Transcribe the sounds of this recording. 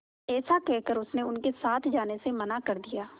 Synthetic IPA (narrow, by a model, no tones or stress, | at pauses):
ɛːsakɛɦkəɾʊsneʊnkesaːt̪ʰd͡ʒaːnesemɐnakɐɾd̪ijaː